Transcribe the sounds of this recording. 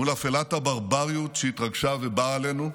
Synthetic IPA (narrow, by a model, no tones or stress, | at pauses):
ulafelat̪habaʁbaʁijut̪ʃeit̪ʁaɡʃavebaːle̞nu